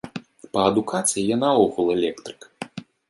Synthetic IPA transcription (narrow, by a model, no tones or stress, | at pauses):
pɐɐd̪ukat̪sɨjijanaɔɣulˠɛlʲɛkt̪ɾɨ̥k